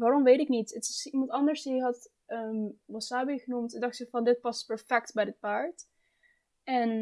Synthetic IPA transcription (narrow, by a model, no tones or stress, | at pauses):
ʋaːɾɔmʋejtɪknitətɪsimɑntɑndəɹsiɦɑt | əmʋɔsaːbiχənumtdɑxtsɛfɑndɪt̚pɑstpɛɹfɛk̚tbɛjdɪt̚paːɹt | ɛn